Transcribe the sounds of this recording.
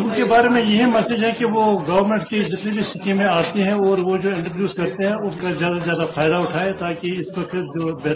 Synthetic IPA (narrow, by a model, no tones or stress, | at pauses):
ʊnkebaːɾemẽjɐɦimɛsed͡ʒɦɛ̃kiʋoɡɐʋəɾmẽːɳʈked͡ʒɪt̪nebʱisɪkẽmẽaːt̪eɦɛ̃ɔːɾʋod͡ʒoːɪ̃ɳʈɾəbjuːskɐɾt̪eɦɛ̃ʊnkazjaːd̪azjaːd̪afaːɪd̪aʊʈʰaːet̪aːkiɪsʋɐkʰət̪d͡ʒoːbɛː